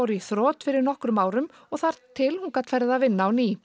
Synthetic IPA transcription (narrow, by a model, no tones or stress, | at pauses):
wɾʏiθɾɔːt̪fɪɾɪɾnɔhkɾʏmaːwɾʏm | ɔɣθaɾ̥t̪ʰɪlhunkat̪fɛjɾðɪðaðvɪnːaːwni